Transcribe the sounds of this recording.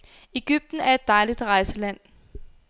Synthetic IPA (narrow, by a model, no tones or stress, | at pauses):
e̝ɡ̥yb̥̚d̥n̩æɐe̝d̥ːɑ̈ɪlid̥ʁɑ̈ɪsəlæn̰